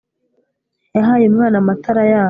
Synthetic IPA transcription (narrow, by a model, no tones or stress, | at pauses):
jaɦaːjemŋaːnamatʰaɾajaː